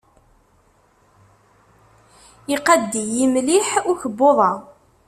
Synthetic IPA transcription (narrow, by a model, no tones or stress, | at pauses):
ɪqɑd̪ːijimliħʊçəbːoðˤɑ